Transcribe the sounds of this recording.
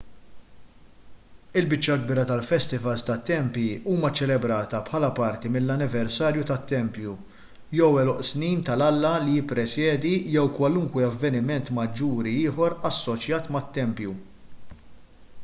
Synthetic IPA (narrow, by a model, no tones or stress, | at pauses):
ɪlbɪt͡ʃːɐɡ̚biːɾɐt̪ɐlfɛst̪ɪvɐlst̪ɐt̪ːɛmpjiuːmɐt͡ʃɛlɛbɾɐːt̪ɐpħɐːlɐpɐɾt̪imɪlːɐnɪvɛɾsɐːɾjut̪ɐt̪ːɛmpju | jɛwɛlɔʔsniːnt̪ɐlɐlːɐlijɪpːɾɛsjɛːd̪ijɛwkwɐluŋkwɛɐvːɛnɪmɛnt̪mɐd͡ʒːuːɾiɪːħɔɾɐsːɔt͡ʃjɐːt̪mɐt̪ːɛmpju